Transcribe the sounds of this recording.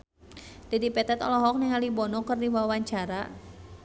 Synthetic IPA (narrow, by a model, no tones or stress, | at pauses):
d̥ɛdipɛt̪ɛt̪ɔlɔɦɔk̚nɪŋalibɔnɔkərdiwawaɲt͡ʃaɾa